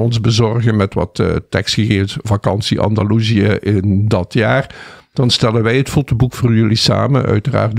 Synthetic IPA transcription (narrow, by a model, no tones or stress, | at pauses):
ɔnzbəzɔrɣənmɛtʋɑ̰tːtɛkstxəɣeːəsvakɑnsiʔɑ̰ndaluziəʔɪndɑtʰjaːrd̥ɑnstɛlənʋɛjɦətfotəbukfoːrjɵlisa̰ːmə̰nœ̰ɥtəra̰ːrt